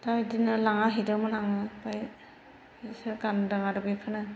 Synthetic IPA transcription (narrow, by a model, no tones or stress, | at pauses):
tajdinɯlaŋaɦidɯmɯnaŋɯpaj | sɯɡandɯŋaɾɯbikʰɯnɯ